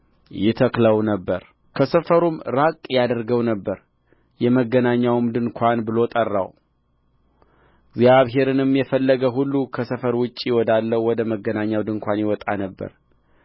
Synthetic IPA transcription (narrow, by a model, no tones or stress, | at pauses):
jɪt̪ʰəkləwnəbːəɾ | kʰəsəfəɾumɾakʼjad̪əɾɡəwnəbːəɾ | jɛməɡːənaɲːawmd̪ɨnkʷʰanbɨlo̞t̪ʼərːa̰w | ɪɡzjaβɦe̞ɾɨnɨmjɛfəlːəɡəɦulːukʰəsəfəɾwʊt͡ʃʼːiwɔd̪alːəwɔd̪əməɡənaɲːawd̪ɨŋkʷanjɪwɔt̪ʼanəbːə̰ɾ